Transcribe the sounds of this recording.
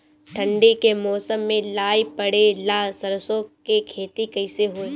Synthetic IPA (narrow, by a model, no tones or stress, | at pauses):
ʈʰɐ̃ɳɖikemɔːsəmːẽlaːipɐɽelaːsɐɾsõkekʰeːt̪ikɐɪseɦoeː